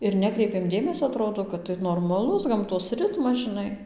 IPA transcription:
ɪr ˈnʲæːkrʲɛɪpʲeːm ˈdʲeːmʲɛsʲoː ɐˈtroːdoː kɐt tɐɪ noːrmɐˈlˠʊs ɡɐmˈtoːs ˈrʲɪtmɐs ʒʲɪˈnɐɪ

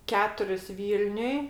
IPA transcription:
ˈkʲæːtʊrʲɪs ˈʋʲiːlʲnʲʊj

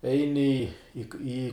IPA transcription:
ˈɛɪnʲɪ ɪ ˈiː

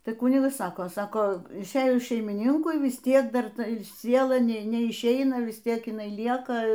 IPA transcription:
ˈtɐɪ ˈkʊnʲɪɡɐs ˈsɑːkoː ˈsɑːkoː ɪʃʲˈeːjʊs ʃʲɛɪmʲɪˈnʲɪŋkʊɪ ʋʲɪs ˈtʲiɛk ˈdɐr ˈtɐ ˈsʲiɛlˠɐ ˈnʲɛ nʲɛɪʃʲˈɛɪnɐ ˈʋʲɪs ˈtʲiɛk ɪˈnɐɪ ˈlʲiɛkɐ

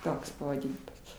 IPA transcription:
ˈtoːks pɐʋɐˈdʲɪnʲɪmɐs

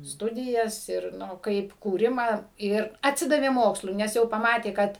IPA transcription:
ˈstʊdʲɪjɛs ɪr ˈnʊ ˈkɐɪp kuːˈrʲɪmɑː ˈɪr ɐtʲˈsʲɪdɐʋʲeː ˈmoːkslˠʊɪ nʲɛs ˈjɛʊ pɐˈmɑːtʲeː ˈkɐt

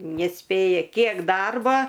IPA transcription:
nʲɛsʲˈpʲeːjɛ ˈkʲiɛk ˈdɐrbɐ

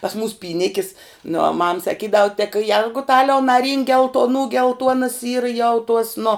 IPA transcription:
pɐs muːs pʲiːˈnʲɪkʲɪs nʊ oː mɐm sɐˈkʲiːdɐw tʲɛk ˈjɛrɡʊtɐlʲɛʊ nɐˈrʲiːŋk ɡʲɛlˠtoːˈnuː ɡʲɛlˠˈtuɔnɐs ˈiːrɐ jɛʊ tuɔs nʊ

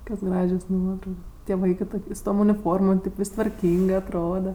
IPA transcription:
ˈkoːkʲoːs ˈɡrɑːʒʲoːs ˈnuɔtrɐʊkoːs tʲiɛ ˈʋɐɪkɜ ˈtʊkʲ sʊ toːm ʊnʲɪˈfoːrmoːm kɐɪp ˈʋʲɪsʲ tʋɐrʲˈkʲiːŋɡɜ ɐtˈroːdɐ

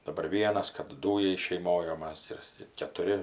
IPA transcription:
dɐˈbɐr ˈʋʲiɛnɐs kɐp ˈduːjɛɪ ʃʲɛɪˈmoːj oː ˈmɐs ɪr ɪr kʲɛtʊˈrʲɪ

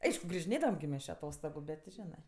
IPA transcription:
ˈɐɪʃkʊ ɡrʲɪʒʲɪˈnʲeːdɐʋɐm ɡʲɪ ˈmʲɛs t͡ʃʲɪ ɐˈtoːstoːɡʊ ˈbʲɛt tʲɪ ˈʒʲæːnɜ

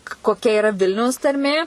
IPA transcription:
koːˈkʲɛ ɪˈrɐ ˈʋʲɪlʲnʲɛʊs tɐrʲˈmʲeː

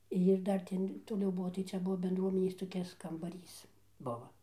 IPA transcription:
jɪr ˈdɐr tʲɛn toːˈlʲɛʊ ˈbuɔ tɐɪ ˈt͡sʲɛ ˈbuɔ bʲɛndˈruɔmʲɛnʲeːs toːˈkʲɪs kɐmbɐˈrʲiːs ˈbʊʋɐ

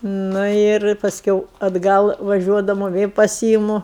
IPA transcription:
ˈnʊ ɪr pɐsʲˈkʲɛʊ ɐdˈɡɐlˠ ʋɐˈʒʲuɔdɐmʊ ˈʋʲeː pɐˈsʲiːɪmʊ

